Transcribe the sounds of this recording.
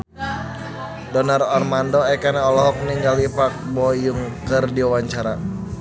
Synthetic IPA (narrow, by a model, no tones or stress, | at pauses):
dɔnarɔrmandɔɛkanaɔlɔɦɔk̚mniŋɡalipak̚bɔjuŋkərdiawaɲt͡ʃaɾa